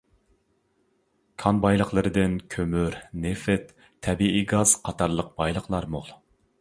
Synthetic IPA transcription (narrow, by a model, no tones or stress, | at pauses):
kʰɑnbɑjlˠəχlˠəɾɨd̪ɨnkʲʰømyɾnefɪt̪ʰː | ɛbiiɡɑz̥qʰɑt̪ʰɑɾlˠəq̚b̥ɑjlˠəqlˠɑɾmolˠ